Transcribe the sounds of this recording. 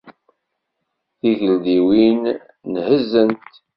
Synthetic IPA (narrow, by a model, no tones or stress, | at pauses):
θiʝəld̪iwinː | həzːənt̪